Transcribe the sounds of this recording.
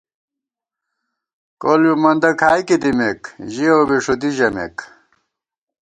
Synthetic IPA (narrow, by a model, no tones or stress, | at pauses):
koljumɐnd̪ɐkʰaːjkid̪imekʑioːbiʂud̪iʑɐmḛk